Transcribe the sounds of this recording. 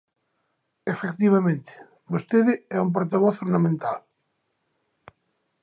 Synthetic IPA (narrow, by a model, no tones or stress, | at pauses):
efekt̪iβ̞amẽnt̪ɪ̥ | bost̪eðɪɛump̬oɾt̪aβɔθoɾnamẽnt̪al